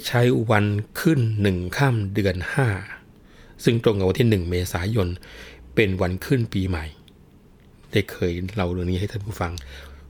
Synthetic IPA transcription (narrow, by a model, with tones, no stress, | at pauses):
t͡ɕʰa˦˥jwa˧nkʰɯ˥˩nːɯ˨˩ŋkʰaː˥˩mdɯ˧ənhaː˥˩ | sɯ˥˩ŋt̪ɾo˧ŋka˨˩wa˧nt̪ʰi˥˩nɯ˨˩ŋmeː˧saː˩˦jo˧npe˧nwa˧nkʰɯ˥˩npiː˧ma˨˩j | da˧˩kʰɤː˧jɾa˧˩wɾɯ˥˩əŋniː˦˥hjt̪ʰa˥˩puː˥˩fa˧ŋ